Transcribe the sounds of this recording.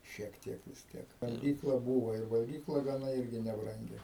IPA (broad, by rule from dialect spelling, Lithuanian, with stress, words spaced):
ʃʲiɛk ˈtʲiɛk ʋʲɪs ˈtʲiɛk ʋɐlʲˈɡʲiːklˠɐ ˈbuːʋoː ɪr ʋɐlʲˈɡʲiːklˠɐ ɡɐˈnɐ ˈɪrʲɡʲɪ nʲɛbˈrɐŋʲɡʲɪ